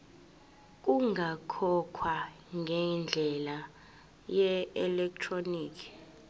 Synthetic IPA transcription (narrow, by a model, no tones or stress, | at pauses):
k̬ʼuŋʱakʰɔkʰwa | ŋʱɛnd͡ɮʱɛla | jɛɛlɛk̚tʰroniːkʰi̥